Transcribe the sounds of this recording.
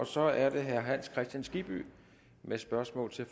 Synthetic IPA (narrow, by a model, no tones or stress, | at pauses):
ɒ̽sɒ̽æɐd̥e̝ɦæɐɦæn̰skʰʁɛsd̥jænsɡ̥ib̥y̰ | mesb̥ɶɐsmɔ̰ːlt͡sʰe̝f